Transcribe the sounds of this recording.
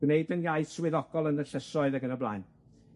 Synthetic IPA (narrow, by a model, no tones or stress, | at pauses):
ɡ̥neɨdənjaɨθswɪðɔɡ̥ɔlˠənəɬəsɔɨðəɡənəblˠajn